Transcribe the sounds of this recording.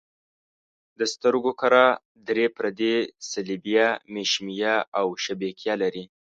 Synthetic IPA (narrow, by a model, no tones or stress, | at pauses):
d̪əst̪əɾɡokaɾa | d̪ɾepɾad̪esalibijameʃmijaawʃabekjɑlaɾi